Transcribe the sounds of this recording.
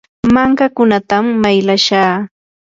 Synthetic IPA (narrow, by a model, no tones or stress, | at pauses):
maŋkakʊnat̪amːajlaʃaː